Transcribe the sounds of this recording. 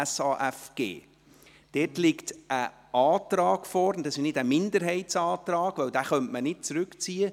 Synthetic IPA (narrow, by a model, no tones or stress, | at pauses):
sɑːʔɛfɡ̥ḛː | d̥ɛːtlɪktʔə | ɑːtɾɑːɡ̥fɔːɾndɑsɪʃnɪdəmɪnd̪əɾɦɛɪtsɑːtɾɑːɡ̥ʋœwd̥æːχœntmənɪt̚t͡sɾʉkt͡siːə